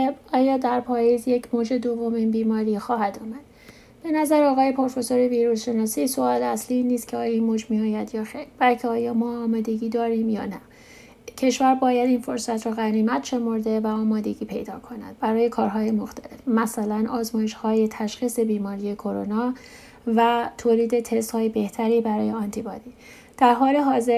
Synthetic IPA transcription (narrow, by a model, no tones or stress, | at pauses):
ebɒːjɒːd̪æɾpʰɒːjizjecʰmoːd͡ʒe̞d̪ovːominbiːmɒːɾiːxɒːhæd̪uːmæd̪̥ | b̥e̞næzæɾɒːɣɒːje̞pʰo̞ɾfe̞soɾe̞viːɾuːsʃe̞nɒːsiːso̞ɒːleæslinːiːst̪kcʰeɒːjɒinmod͡ʒmiɒːjæd̪jɒːxejɾb̥ælcʰeɒːjɒːmɒːmɒːd̪e̞ɟiːd̪ɒːɾiːmjɒ̰ːnæ | cʰe̞ʃvæɾbɒːjæd̪info̞ɾsæt̪ʰrɔːɣæɾiːmæt̪ʃe̞mo̞ɾd̪e̞væɒːmɒːd̪e̞ɟiːpʰe̞̰jd̪ɒ̰ːkʰo̞næ̰d̪̥̚bæɾɒːje̞kʰɒːɾɦɒːje̞mo̞xt̪ʰæle̞fmæsælænʔɒːzmɒːje̞ʃhɒːje̞t̪ʰæʃxiːse̞biːmɒːɾije̞kʰo̞ɾo̞̰nɒː | væt̪ʰoːliːd̪e̞t̪ʰest̪hɒːjebe̞ht̪ʰæɾiːbæɾɒːje̞ɒnt̪ʰibɒːd̪iː | d̪̥æɾɦɒːle̞ɦɒːze̞ɾ